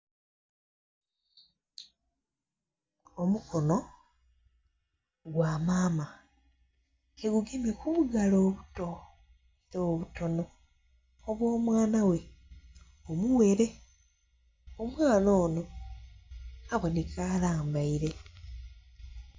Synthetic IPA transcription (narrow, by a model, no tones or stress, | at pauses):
omukono | ɡwaːmaːma | eɡuɡemekuβuɡalo̞ːβuto | iɾoːβuto̞noː | βwo̞ːmwaːnawe̞ | omuwe̞ɾe̞ | omwaːno̞ːno̞ | aβo̞nekaːlaːmbaiɾe̞